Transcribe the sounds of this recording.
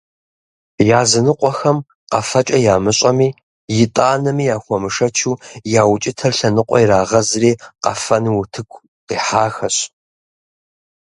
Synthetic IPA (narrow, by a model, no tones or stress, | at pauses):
jaːzɨnɨqʷʼɔxɐm | qɐfɐt͡ʃʼɐjaːmɨɕʼɐmiː | jɪtʼaːnɐmiːjaːxʷɔmɨʂɐt͡ʃʰuːjaːwt͡ʃʼɪtʰɐrɬɐnɨqʷʼɔ̰jiɾaːʁɐzriːqɐfɐnwʊtʰɨkʷʰʼ | qiːħaːxɐɕʼ